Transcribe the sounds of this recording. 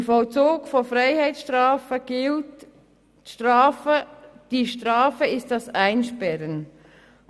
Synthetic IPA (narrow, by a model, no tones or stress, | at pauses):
əfɔlt͡soːɡfɔfɾaɪhɛɪt͡sʃtɾɑːfəɡ̥ɪlt | ʃtɾɑːfəd̥iʃtɾɑːfəɪstdɑsæɪnʃpɛɾən